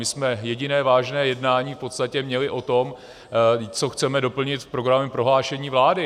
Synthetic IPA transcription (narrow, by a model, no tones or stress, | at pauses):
mɪsmɛjɛɟɪnɛːvaːʒnɛːjɛdnaːɲiːfpo̞t̪st̪acɛmɲɛlɪʔo̞t̪o̞m | t͡so̞xt͡sɛmɛdo̞pl̩ɲɪt̪fpɾoɡɾamɛpɾo̞ɦlaːʃɛɲiːvlaːdɪ